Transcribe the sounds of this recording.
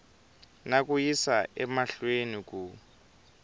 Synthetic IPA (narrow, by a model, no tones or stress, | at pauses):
nak̬ʼujisaʔɛmaɬwenik̬ʼu